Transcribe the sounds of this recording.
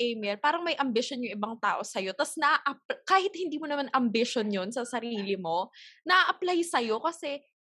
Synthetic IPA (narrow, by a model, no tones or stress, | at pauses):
ʔejmɛlpaːɾɐŋmɐjʔɐmbɪʃonjʊŋʔɪbaŋt̪a̰ːʔo̞sɐjo̞t̪ɐsnɐʔaʔɐp̚kaːhɪt̪̚hɪnd̪iːmonɐmanʔɐmbɪʃonjonsɐsɐɾiːlɪmo̞nɐʔaʔɐplajsɐjo̞kɐsɛ